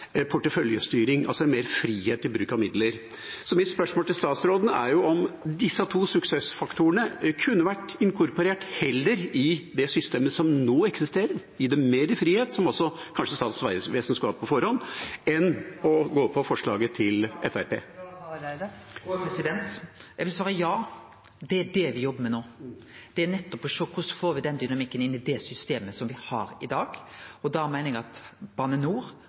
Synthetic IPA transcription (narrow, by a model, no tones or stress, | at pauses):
pʰʊʈːəfœljə̰st̪yːɾɪŋɑlsɔɛnmeːɾfɾiːheːt̪ːɪbɾʉːkɑʋmɪd̪ləɾ | sɔmɪt̪spœʂmoːlt̪ɪlst̪ɑːt̪sɾoːd̪ənəæɾjʊɔmd̪ɪsːət̪ʰuːsʉksɛsfɑkt̪ʰuəɳəkʰʉnːəʋæʈːɪŋkʰʊɾpɔɾeːʈhɛlːəɾɪd̪ɛsʏst̪eːməsɔmnoːɛksɪst̪eːɾəɾ | ɪd̪ɛmeːɾɪfɾiːheːt̪sɔmɔsɔkʰɑnʂəst̪ɑːt̪sʋæɪəsʋeːsənskɑːp̚pʰɔfɔɾhɔnːɛnɔɡoːpʰːɔfɔʂɭɑ̰ːɡət̪ʰɪlɛfæɾpʰḛː | pɾɛsɪd̪ɛnt̪jɛɡʋɪlsʋɑːɾəjɑː | d̪ɛæɖɛʋɪjɔbːəmɛnoː | d̪̥ɛænɛt̪ːɔpʰːɔʃɔkːʊsɔ̥foːɾʋɪd̪ɛnd̪ʏnɑmɪkːənɪnːɪd̪ɛsʏst̪eːməsɔmʋɪhɑ̰ɾɪd̪ɑːɡɔd̪ɑːmæɪnɪŋɑt̪b̥ɑːnənuːɾ